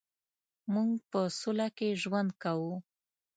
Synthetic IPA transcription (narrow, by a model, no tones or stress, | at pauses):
muŋɡpəsʊlakeʒwand̪̚kawu